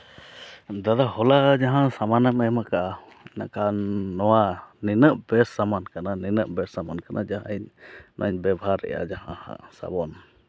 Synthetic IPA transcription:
d̪ad̪ahɔlad͡ʒaɦãsamanəmɛmaka | na̰kanɔwaninəʔbɛsːamankananinəʔbɛsamankanʔa̰d͡ʒaɦa̰ɲnʔa̰ɲbɛbaɦaɾːɛ̰ja̰d͡ʒahãhã̰sa̰bɔn

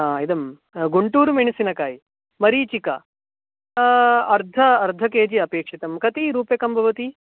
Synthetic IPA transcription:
aːid̪ɐm | ɡuɳʈuːɾumeɳisinɐkaːji | mɐɾiːt͡ʃikɐ | ɐɾd̪ʱɐːɾd̪ʱɐkeːd͡ʒiɐpeːkʂit̪ɐmkɐt̪iɾuːpjɐkɐmbʱɐʋɐt̪i

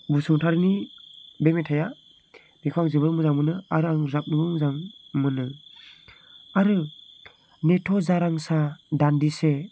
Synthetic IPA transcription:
busɯŋtʰaɾɯnibemetʰaja | m̥ikʰaŋzɯβɯɾmɯzaŋmɯnɯaɾɯaŋzap̚nɯbɯmzaŋmɯnɯ | aɾɯ | netʰɔzaɾaŋsadandise

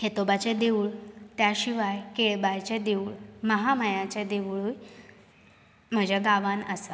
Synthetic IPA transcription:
ket̪obat͡ɕed̪euɭt̪jaɕiʋajkeɭbajt͡ɕed̪eʋuɭməɦaməjãt͡ɕed̪eʋɭuj | m̤əd͡ʑaɡaʋanəsa

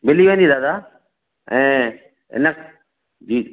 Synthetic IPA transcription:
bɪliʋẽːnd̪iːd̪aːd̪aː | ɛ̃ː | ɪ̰nək | d͡ʑiː

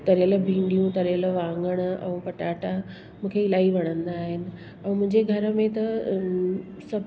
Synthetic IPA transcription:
t̪ɐɾjəlbʱĩːɳɖijũt̪ɐɾjələ̆ʋãːŋɡəɽ̃̆ɛ̰̃ːpɐʈaːʈa | mũːkʰeɪlaːiʋɐɽ̃ə̃nd̪aːɦɪnɪ̆ | ɛ̃ːmʊ̃ɦɪ̃ɲd͡ʑeɡʱɐɾəmẽt̪ɐ | sɐb

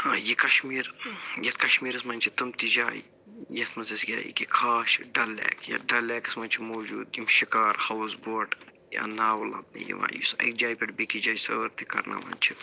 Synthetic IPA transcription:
aːjikɐʃmiːɾjɐt̪̚ʰkɐʃmiːɾɨsmɐnʲt͡ʃʰit̪ɨmt̪id͡ʒaːji | jɐt̪ʰmɐzɐsɡʲa̰ːjḭkikʰaːʃɖɐlːɛ̰ːkjɐ̰ɖɐlːɛːkɨ̥smɐnʲt͡ʃʰimoːd͡ʒuːd̪jimʃikaːɾhɐwsboːʈ | ja̰naːwɐlɐ̰b̚nḭjḭʋã̰ːjḭsɐ̰k̚d͡ʒaːjpʲɐʈbikid͡ʒaːjsɐʋəɾt̪ikɐ̰ɾna̰mɐ̰nʲt͡ʃʰi

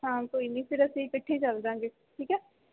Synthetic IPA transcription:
ɦãːt̪oɪnːĩːpʰɪɾəseikɪʈʰːet͡ʃəld̪ãːŋɡeː | ʈʰiːkɛː

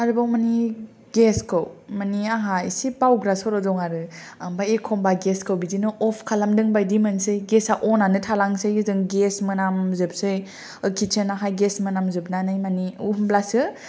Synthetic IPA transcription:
aɾɯbawmani | ɡeskʰɯwmaniaɦaisibawɡɾasɔɾɔdɔŋaɾɯbajekʰɔmbaɡeskʰɯwbidinɯɔpʰkʰalamdɯŋbajdimansɯjɡesaʔɔnanɯtʰalaŋsɯjɯzɯŋɡesmɯnamzɯp̚sɯj | ɯkʰit͡ʃʰenaɦajɡesmɯnamzɯb̚nanajmaniuhumblasɯ

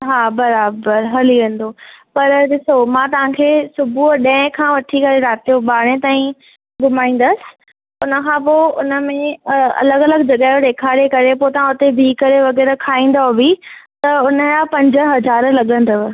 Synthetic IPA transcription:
ɦaːbɐɾaːbəɾɦɐliʋẽːn̆d̪opɐɾɗɪsomãːt̪ɐʋ̤ãːkʰeːsʊbʱuɗɐ̃ɪ̃kʰãːʋɐʈʰikɐɾeɾaːt̪ijoɓaːɽ̃ẽt̪aːĩ | ɡʊmaːĩːn̆d̪əsɪ̥̆ | ʊnəkʰãːpoʊnə̆mẽɐ̰ləɡɐləɡd͡ʑɐɠaːjoɗ̪eːkʰaːɾekɐɾepot̪ɐʋ̤ãʊt̪ebʱiːkɐɾeʋɐɣɛːɾəkʰaːĩːn̆d̪aːɦobʱit̪ɐʊnəjapɐ̃ɲd͡ʑəɦɐzaːɾlɐɠə̃nd̪əʋ

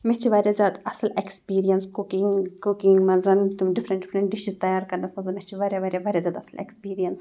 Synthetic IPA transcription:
met͡ʃʰiʋaːɾʲjazʲjaːd̪ɐsɐlekspiːɾijɐnskukiŋɡkukiŋɡmɐnzɐnt̪umɖifɾɐ̃ɳɖɪfɾɐɳʈ̚ɖiʃizt̪ɐjaːɾkɐɾnɐsmɐnzɐmet͡ʃʰiʋaːɾjaʋaːɾʲjaʋaːɾjaːzʲjaːd̪ɐslḛkspiːɾijɐns

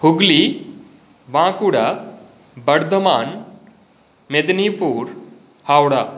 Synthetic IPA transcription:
huɡli | ʋãkuɽa | bəɽd̪əmaːn | med̪nifuːɾ | hawɽa

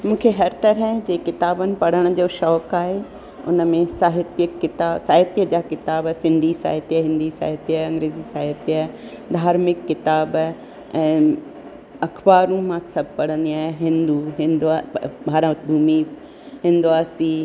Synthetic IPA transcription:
mũːkʰeɦɐɾt̪ɐɾəd͡ʑeːkɪt̪aːbənɪ̆pɐɽ̤əɽ̃ʊ̆d͡ʑoːʃɔːkaːɦe | ʊ̰nəmẽsaːɦɪt̪jəkːɪt̪aːsaːɦɪt̪jəd͡ʑaːkɪt̪aːbsɪ̃nd̪ʱisa̰ːɦɪt̪ijəɦɪ̃nd̪ʱisa̰ːɦɪt̪jəɐ̃ŋɡɾeːzisaːɦɪt̪jə | d̪ʱaːɾmɪkːɪt̪aːb | ɛ̃ː | ɐkʰbaːɾũmãːt̪sɐb̚ʱpɐɽ̤ə̃nd̪iaːɦɪɦɪ̃nd̪uɦɪ̃nd̪abʱaːɾãbʱuːmi | ɦɪ̃nd̪uaːsi

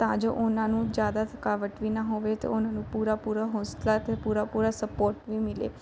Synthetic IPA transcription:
t̪ãd͡ʒoʔonanũd͡ʒjaːd̪at̪ʰə̥kaʋəʈʋinaɦoʋet̪o̰onanũpuɾapuɾaɦoslat̪epuɾapuɾasəpoːɾʈʋimɪlḛ

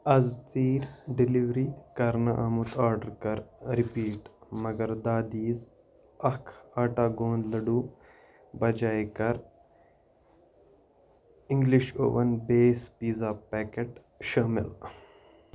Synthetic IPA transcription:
ɐzt͡s̪iːɾɖiliʋɾiːkɐɾnɐʔɐmut̪ʰaːɾɖɐɾkɐɾɾipiːʈmɐɡɐɾd̪aːd̪iːz | ɐkʰaːʈaːɡõːnd̪lɐɖu | bɐd͡ʒaːjkɐɾ | ĩŋɡliʃo̰ːʋɐnbeːspiːzapɛːkeʈ | ʃɐːmɪ̰l

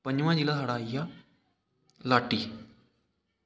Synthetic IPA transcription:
pəɲd͡ʑʋãːd͡ʒɪlasʰaːɽaːija | laːʈiː

